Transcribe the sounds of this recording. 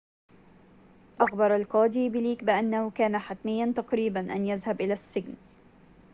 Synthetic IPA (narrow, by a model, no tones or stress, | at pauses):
ʔɑɣbɑɾˤalqɑːd̪iːbɪliːkbɪʔanːahʊkaːnaħat̪mɪjːant̪ɑqɾiːbanʔanjazhabʔɪlaːsːɪɡn